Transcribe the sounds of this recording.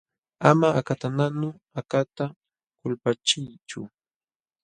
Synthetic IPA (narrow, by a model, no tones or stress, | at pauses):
amaakat̪ananʊ | akat̪a | kʊlpat͡ʃɪjt͡ʃʊ̰